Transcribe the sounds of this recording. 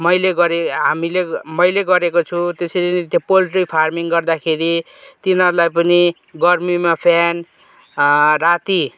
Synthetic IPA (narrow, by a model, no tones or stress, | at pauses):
mʌjleɡʌɾeɦamilemʌjleɡʌɾekot͡sʰut̪eseɾinit̪jopolʈripʰarmiŋɡʌrd̪akʰeɾi | t̪inɦʌɾulajpʌni | ɡʌrmimapʰjan | rat̪i